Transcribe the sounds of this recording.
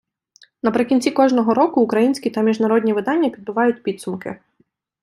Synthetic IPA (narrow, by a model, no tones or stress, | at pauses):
nɐpɾɪkʲinʲt͡sʲikɔʒnɔɦɔɾɔkʊːkɾɐjinʲsʲkʲit̪ɐmʲiʒnɐɾɔd̪ʲnʲiʋɪd̪ɑnʲːɐpʲid̪̚bʊʋɑjʊtʲpʲit̪sʊmkɪ̰